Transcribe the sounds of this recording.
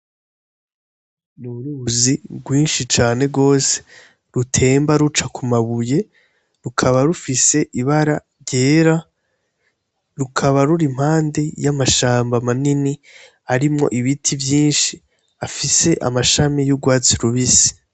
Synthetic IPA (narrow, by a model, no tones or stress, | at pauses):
nuɾuuzibɡwiːnʃit͡ʃaːne̞bɡo̞ːse̥ | ɾutʰe̞ːmbaɾut͡ʃakʰumaβuje̞ | ɾukʰaβaɾufise̞ʔiβaɾaɾɟe̞ːɾa | ɾukʰaβaɾuɾim̥haːndejamaʃaːmbamanini | aɾimŋo̞̰ʔiβitʰivjiːnʃi | afise̞ʔa̰maʃamijuɡwaːt͡siɾuβisi̥